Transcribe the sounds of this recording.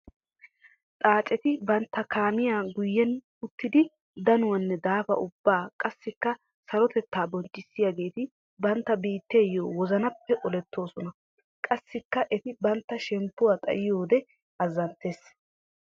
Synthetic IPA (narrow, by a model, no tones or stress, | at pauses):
t̪ʼaːt͡ʃʼɛt̪ɪbɐnt̪ːɐkaːmɪjaːɡʊjːɛn | ʊt̪ːɪd̪ɪ | d̪ɐnʊwɐnːɛd̪aːfɐ̰ʔʊbːaːkʼɐsːɪkːɐ | sɐlɔt̪ɛt̪ːaːbɔnt͡ʃːɪsːɪjaɡe̞ːt̪ɪ | bɐnt̪ːɐbiːt̪ːe̞ːjːoːwɔzɐnɐpːɛʔɔlɛt̪ːo̞ːsɔnɐ | kʼɐsːɪkːɐʔɛt̪ɪbɐnt̪ːɐʃɛmpːʊwaːt̪ʼɐ̰jɪjo̞ːd̪ɛ | ɐzːɐnt̪ːe̞ːs